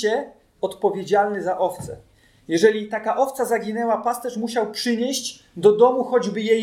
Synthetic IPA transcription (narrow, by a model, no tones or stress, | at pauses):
ɛ | ɔt̪pɔvʲjed͡ʑalnɘzaʔɔft̪sɛ̰ | jɛʐɛlʲit̪akaʔɔft̪sazaɡʲinɛwapast̪ɛʂmuɕawpʂɘɲeɕd͡ʑ | d̪ɔd̪ɔmuxɔd͡ʑbɘje